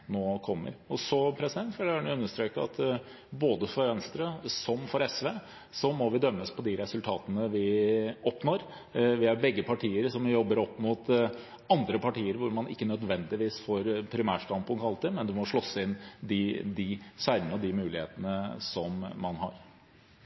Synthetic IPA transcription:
noːkʰɔmːə̰ɾɔsɔpʰɾɛsɪd̪ɛnt̪fɛlːnʊʉnːəʂt̪ɾøːkəɑ̰t̪ | boːd̪əfɔɾʋɛnst̪ɾəsɔmfɔɾɛsʋeː | sɔmɔʋɪd̪œmːəspʰɔd̪ɪɾɛsʉlt̪ʰɑːt̪ənəʋɪɔpnoːɾ | ʋɪhɑɾbɛɡːəpʰɑʈʰiːəɾsɔmjɔbːəɾɔpːmut̪ | ɑnd̪ɾəpɑʈiːəɾʋʊɾmɑnɪkːənœd̪ʋɛnd̪ɪʋiːsfɔɾpʰɾɪmæːʂʈɑnpʊŋt̪ɑlt̪ɪmɛnd̪ʉmɔʂɭɔsːəɪnd̪ɪd̪ɪsæɪɳəɔd̪ɪmʉːlɪhḛːt̪ənəsɔmːɑnɦɑ̰ɾ

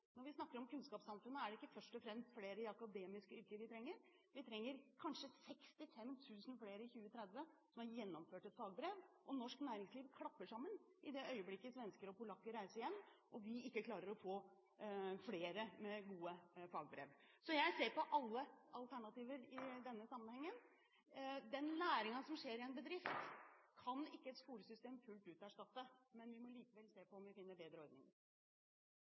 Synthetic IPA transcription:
nɔɾʋɪsnɑkːəɾɔmkʉnskɑːpsɑmfʉnːəæɖɛɪkːəfœʂʈɔfɾɛmst̪fleːɾəɪɑkɑd̪eːmɪskəʏɾkəɾʋɪt̪ʰɾɛŋːəɾ | ʋɪt̪ʰɾɛŋːəɾkʰɑnʂəsɛkst̪ɪfɛmt̪ʰʉːsənfleːɾəɪçʉːət̪ʰɾɛd̪ʋəsɔmæɾjɛnːɔmføːʈɛt̪fɑːɡbɾeːʋʔɔnɔʂknæːɾɪŋsliːʋkʰɽɑpːəʂɑmːənʔɪd̪ɛʔœʏəblɪkːəsɔʋɛnskəɾɔpʊlɑkːəɾæɪsəɪjɛnːʔɔʋɪɪkːəkʰlɑːɾəɾɔfoː | fleːɾəmɛɡuːəfɑːɡbɾḛːʋ | sɔjæɪseːɾpɔʔɑlːəɑlt̪ʰæɳɑt̪iːʋəɾɪd̪ɛnːəsɑmːənhɛŋːən | d̪ɛnlæːɾɪŋɑsɔmʂeːɾɪɛnbəd̪ɾɪft̪kʰɑnɪkːəɛt̪skuːɾəsʏst̪eːmfʉlt̪ʉːt̪ɔæʂʈɑt̪ːəmɛnʋɪmɔliːkəʋɛlseːpɔɔmʋɪfɪnːəɾbeːd̪ɾəɔɾd̪nɪ̰ŋɾ

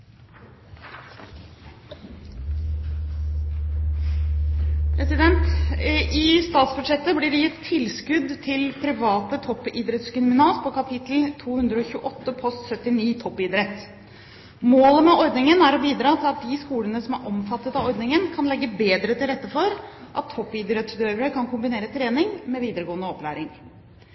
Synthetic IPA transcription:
pʰɾɛsɪd̪ɛnt̪ | ɪst̪ɑːt̪sbʉʂɛt̪ːəblɪɖɛjɪt̪ʰːɪlskʉd̪t̪ʰɪlpʰɾɪʋɑːt̪ət̪ʰɔpːiːd̪ɾɛt̪skʏnmɪnɑːspʰɔkɑpʰɪt̪l̩t̪ʰuːhʉnd̪ɾəɔçʉːəʔɔt̪ːəpʰɔst̪sœt̪ːɪniːt̪ʰɔpːɪd̪ɾɛt̪ː | moːləmɛɔɾd̪nɪŋənæɾɔbiːd̪ɾɑːt̪ʰɪlɑt̪̚d̪ɪskuːlənəsɔmæɾʔɔmfɑt̪ːət̪ɑɔɾd̪nɪŋənkʰɑnlɛɡːəbeːd̪ɾət̪ʰɪlɾɛt̪ːəfɔɾʔɑt̪ʰːɔpːid̪ɾɛt̪sd̪øːɾəɾəkʰɑnkʊmbɪneːɾət̪ʰɾeːnɪŋmɛʋiːd̪əɾəɡoːnəɔplæːɾɪŋ

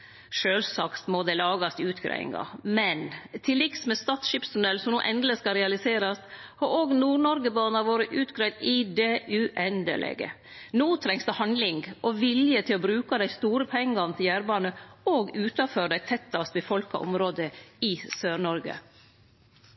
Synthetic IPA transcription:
ʃøːlsɑkt̪mod̪ɛlɑːɡɑst̪ɪʉːt̪kɾæ̰ɪɪ̰ŋɑ̰mɛnt̪ʰɪlːɪksmɛst̪ɑːt̪sʃiːpst̪ʊd̪ɛlsɔmnuːʔɛnd̪ləskɑɾɛɑlɪseːɾɑst̪ | hɑɾoːɡnuːɳɔɾɡəbɑːnɑʋoːɾəʔʉːt̪ɡɾæɪd̪ɪd̪ɛʔʉʔɛnd̪ə̰lʔɛ̰ːɡə̰ | noːt̪ʰɾɛŋsd̪ɛhɑnd̪lɪŋɡʔɔʋɪljət̪ʰɪlɔbɾʉːkɑd̪æɪst̪uːɾəpʰɛŋːɑnət̪ʰɪjæːɾbɑːnəoːɡʉːt̪ɑføɖæɪt̪ʰɛt̪ːɑst̪bɪfɔlkɑ̰ʔɔ̰mɾoːd̪əɪsøːɾɳɔɾɡə̰

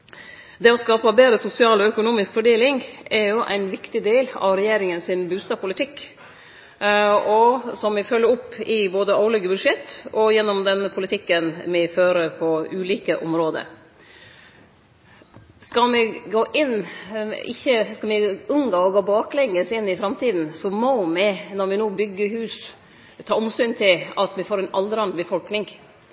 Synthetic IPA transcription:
d̪ɛɔskɑːpəbeːɾəsʊsɪɑːlɔœkʊnuːmɪskfɔɖeːlɪŋʔɛɾjʊʔæ̰ɪnʋɪkt̪ɪd̪eːlɑ̰ʋɾɛjeːɾɪŋənsɪnbʉːst̪ɑːbpʊlɪt̪ʰɪkː | ɔsɔmmɪfœlːəɾʊpːɪboːd̪əʔɑʊlʏɡəbʉd̪ʂɛt̪ːɔjɛnːɔmd̪ɛnpʰʊlɪt̪ʰɪkːənmɪføːɾəɾpʰɔʉːliːkəʔɔmɾoːd̪ə̰ | skɑlmɪɡoːʔɪn | ɪçːəskɑlmɪʊŋɡɑɔɡoːbɑːklɛŋːəsɪnːɪfɾɑmt̪ʰiːd̪n̩sɔmɔmɪnɔɾmɪnoːbʏɡːəhʉːs | t̪ʰɑːʊmst̪ʉnt̪ʰɪlɑt̪mɪfoːɾɛɪnʔɑld̪əɾɑnbəfɔlknɪŋ

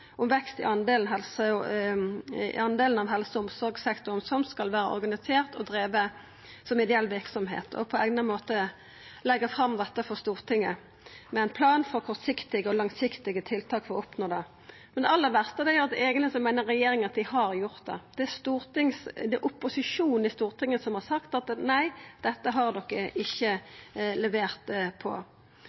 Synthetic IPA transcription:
ɔmʋɛkst̪ɪ̰ʔɑnd̪eːlnɦɛlsə | ɑnd̪eːlən̩ɑʋɦɛlsəʊmsɔɾɡsɛkt̪ʊɾnsɔmskɑlʋæːɾə̰ʔɔ̰ɾɡɑnɪseːʁt̪ɔd̪ɾeːʋə | sɔmɪd̪ɛɛlːʋɪɾksɔmɦḛːt̪ʰɔ̰pʰɔæɡnəmoːt̪ə | lɛɡːəfɾɑmd̪ɛt̪ːəfɔst̪uːʁt̪ʰɪŋːə | mɛæɪnpʰlɑːnfɔʁkʰɔɾt̪sɪkt̪ɪɡəɔlɑŋsɪkt̪ɪɡət̪ʰɪlt̪ʰɑːkfɔʁɔpnoːd̪ɛ | mmɛnd̪ɛɑlːəʁʋæʁst̪əd̪ɛjəʁɑd̪ɛeːɡənlɪsɔmæɪnəʁːɛjeːɾɪŋəɑt̪̚d̪ɪhɑɾjʊʁt̪̚d̪ɛ̰d̪̥ɛæst̪uːʁt̪ɪŋsd̪ɛʔʊpːʊsɪʂuːn̩ɪst̪uːʁt̪ɪŋːəsɔmhɑʁsɑkt̪ɑt̪næɪd̪̥ɛt̪ːəɦɑʁd̪ɔkːəɪçːəlɛʋeːʁt̪pʰɔ̰

